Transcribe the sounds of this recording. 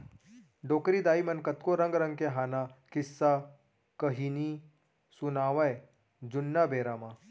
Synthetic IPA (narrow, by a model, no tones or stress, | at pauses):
ɖokɾiːd̪aːimənkət̪koɾəŋɡɾəŋkeɦanakisːa | kəɦini | sunaʋaj | d͡ʑunːabeɾama